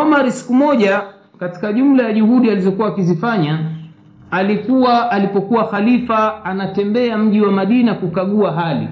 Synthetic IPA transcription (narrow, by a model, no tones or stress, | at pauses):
ɔmaɾisi̥kumɔʄa | kati̥kaʄum̩lajaʄuhuɗializɔkuwaːkizifaɲa | alikuwaʔːlipɔkuwaxalifaanatɛmbɛam̩ʄiwamaɗinakukaɠuaɦalḭ